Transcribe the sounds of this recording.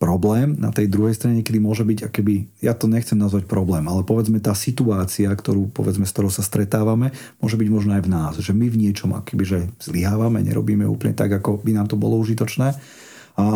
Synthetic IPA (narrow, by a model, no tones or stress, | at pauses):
pɾɔblɛːmna̰t̪ɛjd̪ɾuɦɛjst̪ɾaɲɛkɛd̪imʊɔʒɛbiɟakɔ̥kɛbijat̪ɔɲɛxt͡sɛmnazʋac̚pɾɔblɛːmalɛpɔʋɛd͡zmɛt̪aːsit̪uaːt͡siakt̪ɔɾuːpɔ̰ʋɛd͡zmɛst̪ɔɾɔʊsast̪ɾɛt̪aːʋamɛmʊɔʒɛbiɟmɔʒnɔajvnaːsʒɛmivɲɪɛt͡ʃɔma̰kkʰɛbiʒɛz̥liɦaːʋamɛ̰ɲɛ̰ɾɔ̰biːmɛṵːpl̩ɲɛt̪a̰ɡakɔbinaːmt̪ɔbɔlɔuʒit̪ɔt͡ʃnɛː | a